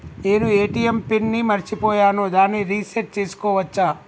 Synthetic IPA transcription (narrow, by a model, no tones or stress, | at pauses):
eːnueːʈijempinːimɐɾt͡ʃipɔːjaːnod̪aːnːiɾiːseɾʈ̚t͡ʃeːsu̥kɔːʋɐt͡ʃːaː